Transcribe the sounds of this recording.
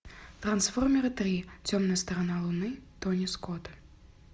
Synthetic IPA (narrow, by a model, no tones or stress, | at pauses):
t̪rɐnsfɔrmʲɛɾɨt̪rʲit͡sʲɔmnɨjst̪ɐɾɐnalˠunɨt̪ɔnʲiskɔt̪ɨ